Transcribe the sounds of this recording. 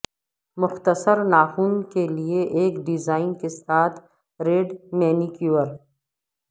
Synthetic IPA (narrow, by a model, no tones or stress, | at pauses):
mʊxt̪əsəɾnaːxuːnkelieʔeːkɖɪzaːɪnkesaːt̪ʰ | ɾeːɖmɛːnikjuːwəɾ